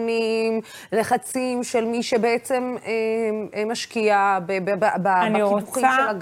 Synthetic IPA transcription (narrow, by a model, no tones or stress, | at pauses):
nimleχat͡simʃelmiʃebeʔet͡se̞memaʃkiabebbbaaniuχimaʃelaɡ